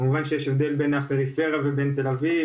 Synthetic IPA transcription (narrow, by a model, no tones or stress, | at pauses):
muvanʃejeʃevd̪elbenapeʁifeʁjavebent̪elavi